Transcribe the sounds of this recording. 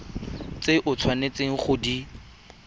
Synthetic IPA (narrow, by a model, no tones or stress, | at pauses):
t͡seʔʊt͡sʰwanet͡seŋ̩χʊdi